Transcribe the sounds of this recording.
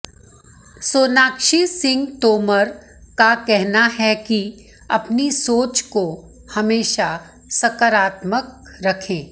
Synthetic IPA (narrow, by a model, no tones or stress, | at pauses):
soːnaːkʃisɪ̃ŋɡt̪oːməɾ | kakɛɦnaɦɛki | ɐ̰pnisoːt͡ʃko | hɐmeːʃa | sɐkəɾaːt̪mək̚ɾɐkʰẽː